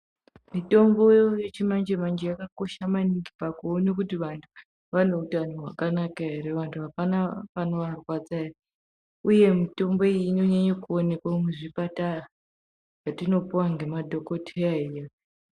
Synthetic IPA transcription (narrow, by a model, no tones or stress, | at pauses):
mito̞mbo̞jje̞t͡ʃimand͡ʒemand͡ʒejakako̞ʃamaniŋɡipakuonekutiʋantʰu̥ | ʋano̞utanoɦwakanakaɦeɾeʋantʰuɦapanapano̞ʋarwat͡saja | uje̞mito̞mbo̞ino̞ɲaɲokuone̞kwameʐipatara | jatino̞puwaŋɡe̞madʱo̞ko̞tʰeaija